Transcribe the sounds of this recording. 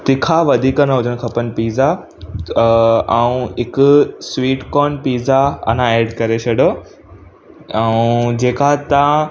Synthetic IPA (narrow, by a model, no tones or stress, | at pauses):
t̪ɪkʰaʋɐd̪ʱiːkənəɦʊd͡ʑʱəɽ̃̆kʰɐpənɪ̆piːza | ɛũɦɪkʊswiːʈkɔːnpiːzaɐ̰n̤ãeːɖkɐɾet͡ɕʰɐɖo | ɛũd͡ʑeːkat̪ã